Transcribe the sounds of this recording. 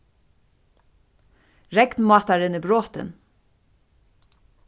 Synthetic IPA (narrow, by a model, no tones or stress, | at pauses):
ɹɛknmɑːt̪aɾɪnibɾoːt̪ɪ̰n